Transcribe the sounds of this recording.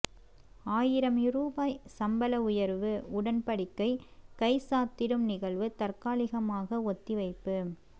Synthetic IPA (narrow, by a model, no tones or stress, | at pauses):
aːjɪɾɐmɪruːbaːjsɐmbɐlɐʊjɐɾʋɯʊɽɐnpɐɽɪkːɐɪkɐɪsaːt̪ːɪɾɯmnɪɣɐɭʋɯt̪ɐrkaːlɪɣɐmaːɣɐɔt̪ːɪʋɐɪpːɯ